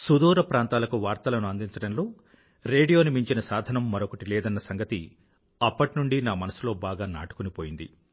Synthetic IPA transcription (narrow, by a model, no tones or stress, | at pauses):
sud̪uːɾɐpɾaːnt̪aːlɐkuʋaːɾt̪ɐlɐnuɐnd̪iɲt͡ʃɐɽɐnlo̞ː | ɾe̞ːɖijo̞ːnimiɲt͡ʃinɐsaːd̪ʱɐnɐmːɐɾokɐʈilɛːd̪ɐnːɐsɐŋɡɐt̪i | ɐpːɐʈinuɳɖinaːmɐnɐsulo̞ːbaːɡaːna̰ːʈu̥kunipo̞ːjind̪ḭ